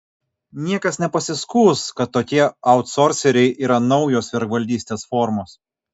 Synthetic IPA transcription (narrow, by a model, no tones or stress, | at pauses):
nʲiɛkɐsnʲɛpɐsʲɪskuːskɐt̪ːoːkʲiɛɐʊt̪sɔɾʲsʲɛɾʲɛɪʔiːɾɐnɒʊjoːsʋʲɪɾkʋɐlʲd̪ʲiːsʲt̪ʲeːsfɔɾmoːs